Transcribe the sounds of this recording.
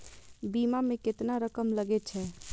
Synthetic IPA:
bimamẽkɪt̪naɾəkəmləɡɛt͡ʃʰɛ

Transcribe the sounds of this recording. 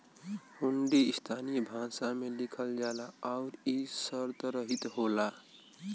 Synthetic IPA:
huɳɖist̪ʰanijbʱãsamelikʰəld͡ʒalaaʊɾisəɾt̪ɾəɦit̪ɦola

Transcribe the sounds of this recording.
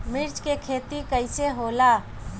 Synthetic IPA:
mɪɾt͡ʃkekʰeːt̪ikəɪseɦoːla

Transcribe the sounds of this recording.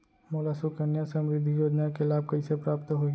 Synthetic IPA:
moːlasʊkənjasə̃mɾɪd̪ʱːijoːd͡ʒnakelaːb̚kɐisepɾaːpt̪ɦoːɡ

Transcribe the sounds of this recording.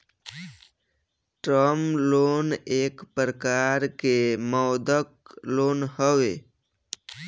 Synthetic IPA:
ʈɾəmloːneːkpəɾəkaːɾkemɔːd̪ək̚loːnhəʋeː

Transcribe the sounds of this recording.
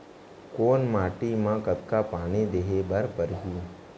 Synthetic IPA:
koːnmaːʈimãkət̪kapaːɽ̃id̪eɦebʱəɾpəɾɦiː

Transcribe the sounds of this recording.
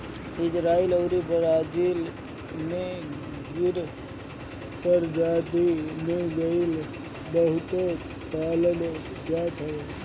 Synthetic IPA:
ɪd͡ʒɾaːiləʋɾipəɾaːd͡ʒil | ne | ɡɪɾ | pəɾd͡ʒat̪ineɡəil | bəɦʊt̪o | paləno | d͡ʒaːt̪əe

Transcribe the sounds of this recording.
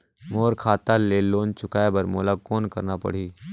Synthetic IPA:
moːɾkʰaːt̪aleːloːnt͡ʃʊkaːebəɾmoːlakoːnkəɾnapɐ̰ɽ̤iː

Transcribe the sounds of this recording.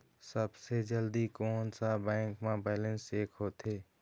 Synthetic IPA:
səbsed͡ʒəld̪ikoːnsabɛ̃ːŋkmãbɛːlə̃nseːkʰɦoːt̪eː

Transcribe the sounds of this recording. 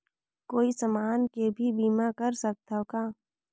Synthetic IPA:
koːisɐmaːnkebʱibiːmakəɾsɐk̚t̪akaː

